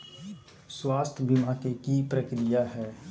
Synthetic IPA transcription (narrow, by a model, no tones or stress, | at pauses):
swaːst̪ʰbimakekipɾəkɾɪjaɦɛː